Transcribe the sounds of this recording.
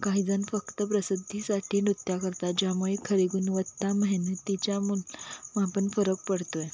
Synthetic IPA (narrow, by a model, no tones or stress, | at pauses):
kaɦiːd͡zənfəkt̪əpɾəsəd̪ʱːisaʈʰiːnɾut̪jakəɾt̪ad͡ʑamoɭikʰəɾeɡuːnʋət̪ːaməɦinet̪ːit͡ɕjamulmapənfəɾək̚pəɽt̪oj